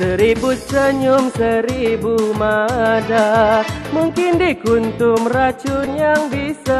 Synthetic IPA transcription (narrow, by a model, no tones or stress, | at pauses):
səɾibut͡ʃəɲʊmsəɾibumadamuŋkɪndikunt̪ʊmrat͡ʃʊnjaŋbisa